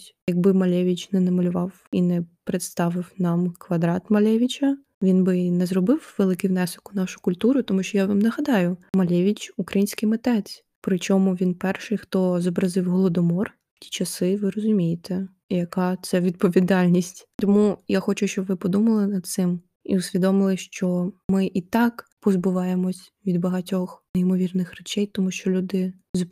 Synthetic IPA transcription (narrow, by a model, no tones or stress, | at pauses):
jɐɡ̚bɪmɐlʲɛʋʲit͡ʃnɛnɐmɐlʲʊʋɑw | inɛpɾet̪st̪ɑʋɪwnɑmkʋɐd̪ɾɑt̪mɐlʲɛʋʲit͡ʃʲɐ | ʋʲinbɪnɛzrɔbɪwʋelˠɪkɪwnɛsʊkʊnɑʃʊ̥kʊlʲt̪uɾʊt̪ɔmuʃt͡ʃɔjaʋɑmnɐɦɐd̪ɑjʊmɐlʲɛʋʲit͡ʃukɾɐjinʲsʲkɪjmet̪ɛt͡sʲ | pɾɪt͡ʃɔmʊʋʲinpɛrʃɪjxt̪ɔzɔbɾɐzɪwɦɔlˠɔd̪ɔmɔr | tʲi̥t͡ʃɐsɪʋɪɾɔzʊmʲijɪt̪ɛ | jɐkɑt̪sɛʋʲid̪̚pɔʋʲid̪ɑlʲnʲisʲtʲt̪ɔmujaxɔt͡ʃʊʃt͡ʃɔbʋɪpɔd̪umɐlˠɪnɐd̪̚t̪sɪm | ḭʊsʲʋʲid̪ɔmɪlˠɪʃt͡ʃɔmɪʔit̪ɑkpɔzbʊʋɑjemɔsʲ | ʋʲid̪bɐɦɐtʲɔxnijmɔʋʲirnɪxrɛt͡ʃɛjt̪ɔmuʃt͡ʃɔlʲud̪ɪ | z